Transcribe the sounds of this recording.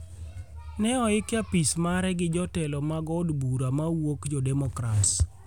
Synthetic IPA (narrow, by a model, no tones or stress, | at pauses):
nɛɔɪkɪjapismaɾɛɡɪd͡ʒɔtɛlɔmaɡɔdbuɾamawokd͡ʒɔdɛmɔkɾats